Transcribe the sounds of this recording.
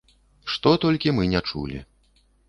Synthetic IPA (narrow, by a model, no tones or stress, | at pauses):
ʂt̪ɔt̪ɔlʲkʲimɨnʲɛt͡ʂṵlʲḭ